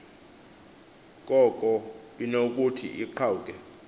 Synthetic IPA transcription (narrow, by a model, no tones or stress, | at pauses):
k̬ʼɔkʼɔinok̬ʼutʰḭʔiǃʰauk̬ʼɛ